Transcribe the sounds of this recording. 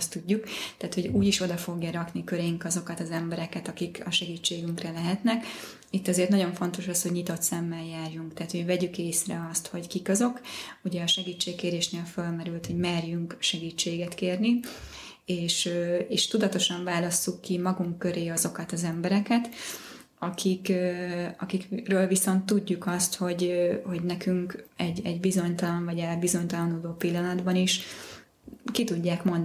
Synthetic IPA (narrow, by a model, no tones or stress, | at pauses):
st̪uɟːukt̪aːt̪ho̞ɟuːɟiʃo̞d̪ɒfo̞ɡjɒɾɒknikøɾɛjiŋkɒzo̞kɒt̪ɒzɛmbɛɾɛkɛt̪ɒkikɒʃɛɡiːt͡ʃːeːɡyŋkrɛlɛɦɛt̪nɛk | it̪ːɒzeːrt̪nɒɟo̞ɱfo̞nt̪o̞ʃɒshoɟɲit̪o̞t̪sɛmːɛljaːrjuŋkt̪aːt̪hoɟvɛɟykeːsrɛɒst̪ho̞ckikɒzo̞kuɟɛɒʃɛɡiːt͡ʃːeːkkːeːɾeːʃneːlfølmɛɾylt̪ho̞ɟmɛrjyŋkʃɛɡiːt͡ʃːeːɡɛt̪keːrni | eːʃeːʃt̪ud̪ɒt̪o̞ʃɒɱvaːlɒsːukːimɒɡuŋkːø̞ɾeːɒzo̞kɒt̪ɒzɛmbɛɾɛkɛt̪ | ɒkʰik | ɒkikrøːlviso̞nt̪ːuɟːukɒst̪ho̞ɟho̞ɟnɛkyŋkɛɟɛɟbizo̞ɲt̪ɒlɒɱvɒɟɛlbizo̞ɲt̪ɒlɒnuloːpilːɒnɒd̪bɒniʃ | kit̪uɟːaːkmond̪